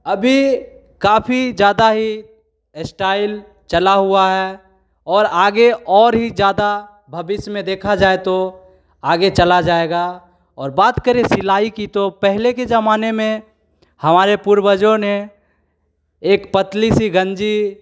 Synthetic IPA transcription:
ɐbʱi | kaːpʰid͡ʒjaːd̪aɦi | sʈaːɪl | t͡ʃəlaɦuaɦɛ | ɔːɾaːɡeɔːɾɦid͡ʒjaːd̪a | bʱɐbɪsmẽd̪eːkʰad͡ʒaːet̪o | aːɡet͡ʃəlad͡ʒaːeɡa | ɔːɾbaːt̪kəɾesɪlaːikit̪opɛɦleked͡ʒɐmaːnemẽ | hɐmaːɾepuɾbəd͡ʒone | eːkpət̪lisiɡə̃nd͡ʒi

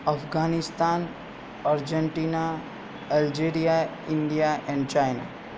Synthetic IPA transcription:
ɐfɡaːnɪst̪aːn | aɾd͡ʒəɳʈiːna | ɐld͡ʒeːɾija | ɪ̃ɳɖijaʔɛ̃ːɳɖt͡ʃaːɪna̰

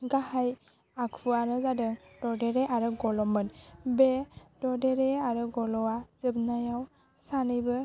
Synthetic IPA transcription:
ɡahaj | akʰvuaɾɯzadɯŋdɔdɛɾɛʔaɾɯɡɔlɔmɯnbɛdɔdeɾɛaɾɯɡɔlɔwazɯbnajaw | sanɯjbɯ

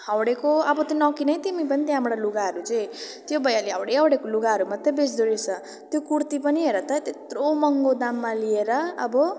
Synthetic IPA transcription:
hawɽekoʌbʌt̪onʌkinʌjt̪imipʌnit̪j̃ɦamɽaluɡaɦʌɾut͡sʌj̃ | t̪jobʌjaliɦawɽeawɽekoluɡaɦʌɾumat̪ːʌbesd̪uɾet͡sʰʌ | t̪jokuɾt̪ipʌniɦeɾʌt̪ʌt̪et̪romʌŋɡod̪amːalieɾʌːbʌ

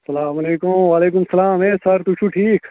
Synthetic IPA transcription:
sɐlaːmɐleːkumʋaːleːk̬ʊmsɐlaːmeːsɐɾt̪ut͡ʃʰuʈʰiːk

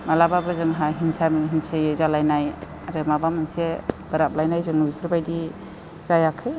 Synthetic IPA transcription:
malababɯzɯŋɦaɦinsamɦinsejezalajnaj | aɾemabamɯnseb̥ɯɾap̚lajnajzɯŋnuikʰɯɾbajdi | z̥ajakʰɯj

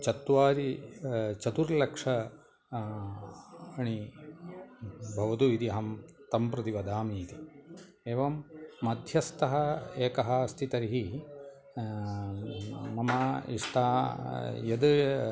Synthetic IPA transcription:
t͡ʃɐt̪ːʋaːɾi | t͡ʃɐt̪uɾlɐkʂɐ | ɐɳi | bʱɐʋɐt̪uid̪iɐɦɐmt̪ɐmpɾɐt̪iʋɐd̪ʱaːmiːt̪i | eːʋɐmːɐd̪ʱjɐst̪ɐɦɐeːkɐɦɐst̪ʰit̪ɐɾiɦi | mɐmɐḭʂʈ̪ʰaː | jɐd̪ɐ

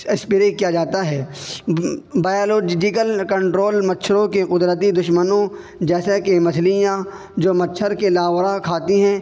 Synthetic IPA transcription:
espiɾeːʈ̚kijad͡ʒaːt̪aɦɛː | baːjoloːd͡ʒɪkəlkə̃ɳʈɾoːlmɐtːʃʰɾõkeqʊd̪ɾət̪̬id̪ʊʃmənõ | d͡ʒɛːsakemɐslijã | d͡ʒoːmɐtːʃʰəɾkelaːwɾakʰaːt̪iɦɛ̃ː

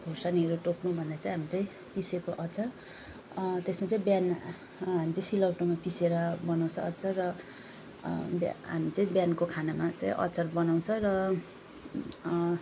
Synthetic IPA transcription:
bʱosaniɦʌɾuʈoknubʱʌnd̪at͡sãĩɦamit͡saĩ | pisekoʔʌt͡sʰʌr | t̪esmat͡saĩbjan | ɦamit͡saĩsilʌwʈomapiseɾʌbʌnaw̃t͡sʰʌʌtːt͡sʰʌrʌ | bɦa̰mit͡saĩbjankokʰanamat͡saĩʔʌ̰t͡sʌrbʌnaw̃t͡sʰʌrʌ

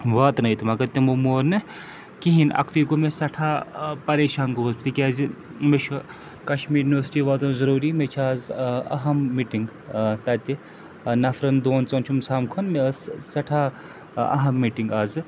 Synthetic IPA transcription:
ʋaːt̪nɐjit̪umɐkɐt̪imomoːɾnɨ | kiɦinɐ̰kʰt̪ijɡumesɐʈʰaːpɐɾeːʃaːnkoozpʰt̪ikʲaːzimeʃʰu | kɐʃmiːɾjuːniʋəɾsi̥ʈiːʋaːt̪onzɐɾuːɾiːmet͡ʃʰaːzɐ̰ɦɐmːiʈiŋɡ | t̪ɐt̪i | nɐfɾɐnd̪oːnt͡sont͡ʃʰumsaːmkʰonmessɐʈʰaː | ɐ̰ɦɐmːiːʈiŋɡaːz

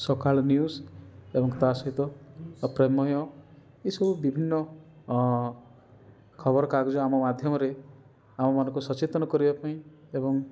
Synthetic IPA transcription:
sokaɭnjusebɔŋt̪asɔɦit̪ɔpɾemɔɦɔ̃ | isɔbubibʱinːɔ | kʰɔbɔɾɔkaɡd͡ʒɔamɔmad̪ʱjɔmɔɾe | amɔmɔnɔ̃ŋkusɔt͡ʃet̪ɔnɔkɔɾibapaĩebɔŋ

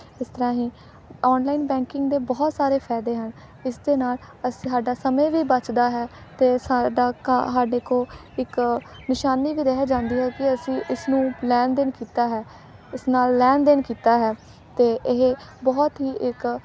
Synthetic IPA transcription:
ɪst̪əɾãːɦĩː | ɔːnlaːiːnbɛ̃ːŋkɪŋɡd̪eːbɔːt̪saːɾeːpʰɛːd̪eːɦən | ɪsd̪eːnaːl | əsaːɖaːsəmẽːʋiːbət͡ʃd̪aːɦɛː | t̪eːsaːɖaːksaːɖeːkoː | ɪk | nɪʃaːniːʋiːd̪eːɦd͡ʒãːnd̪iːɦɛːkɪəsĩːʔɪsnũːlɛːnd̪ɪnkiːt̪aːɦɛː | ɪsnaːlːɛːnd̪ɪnkiːt̪aːɦɛː | t̪eːʔɪɦebɔːt̪ɦiːʔɪk

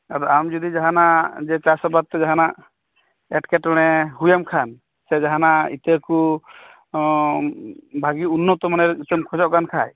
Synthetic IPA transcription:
aɾɔamd͡ʒɔd̪id͡ʒaɦanazɛt͡ʃasɔbat̪̚ːɔzaɦana | ɛʈkɛtɔɽ̃ɛɦujamkʰan | sɛzaɦanaḭt̪eku | bʱaɡiunːɔt̪ɔmanɛɾit̪ɛmkʰɔzɔʔkankʰaj

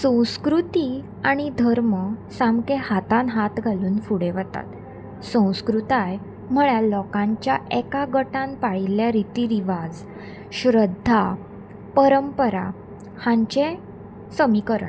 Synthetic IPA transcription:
sə̃w̃skɾut̪i | aɽ̃id̪ʱəɾməsamkehat̪ãnɦat̪ɡʱaluːnfuɽeʋət̪a̰t̪ | sə̃w̃skɾut̪aj | m̤əɭjalɔkãɲt͡ɕjaʔɛkaɡəʈãnpaɭiljaɾit̪iɾiʋad͡z | ɕɾəd̪ʱːa | pəɾəmpəɾa̰ | hãɲt͡ɕe | səmikəɾə̰

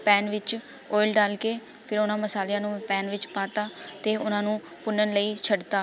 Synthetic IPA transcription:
pɛːnʋɪt͡ʃ | oːɪlɖaːlkeː | pʰɪɾʊnãːməsaːljãːnũːpɛ̃ːnʋɪt͡ʃpaːt̪aːt̪eːʊnãːnũː | pʊnənləiːt͡ʃʰəɖt̪aː

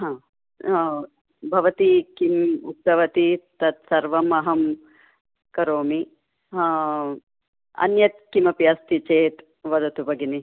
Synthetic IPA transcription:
ɦãː | bʱɐʋɐt̪ikimuk̚t̪ɐʋɐt̪it̪ɐt̪sɐɾʋɐmɐɦɐm | kɐɾoːmi | ɦa | ɐ̰njɐt̪̚kimɐpjɐst̪it͡ʃeːt̪ | ʋɐd̪ɐt̪ubɐɡini

